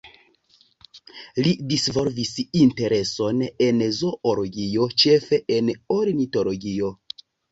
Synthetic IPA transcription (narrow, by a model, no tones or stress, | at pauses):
lidisvo̞lvisinte̞ɾe̞so̞ne̞nzo̞ʔoloɡio̞t͡ʃe̞fe̞ʔenoɾinito̞loɡio̞